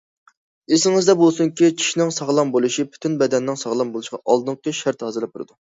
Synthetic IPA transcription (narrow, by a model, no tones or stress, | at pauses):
esɪŋɨzd̪ɛbolˠsuŋkʲit͡ʃʰi̥ʃnɪŋsɑʁlˠɑmbolˠuʃipʰy̥t̪ʰynbɛd̪ɛnːɪŋsɑʁlˠɑmbolˠuʃqɑ̰ʔɑlˠd̪ɨɴqʰəʃæɾt̪hɑːzɨɾlːɛp̚t̪ʰuɾɨ̰d̪u